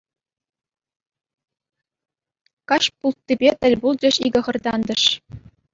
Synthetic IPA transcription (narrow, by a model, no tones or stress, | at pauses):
kɑɕpulˠt̪ːibʲet̪ʲɘ̆lʲbulˠd͡ʑɘ̆ɕiɡʲɤ̆χɤ̆rd̪ɑnd̪ɤ̆ʂ